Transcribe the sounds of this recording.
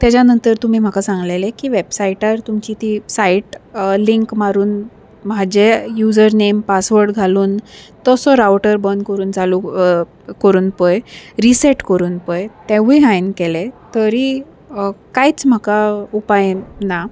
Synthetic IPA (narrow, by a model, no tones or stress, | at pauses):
t̪at͡ɕjanənt̪əɾt̪um̤iːm̤akasãŋɡlelekiːʋebsaiʈəɾt̪umt͡ɕit̪isaiʈliŋkmaɾuːn | m̤ad͡ʑejud͡zəɾnempasʋəɾɖɡʱaluːnt̪ɔsɔɾawʈəɾbənd̪kəɾuːnd͡zalu | kəɾuːnpəjɾiseʈkəɾuːnpəjt̪eʋiɦajnkelet̪əɾi | kajt͡sm̤akaupajna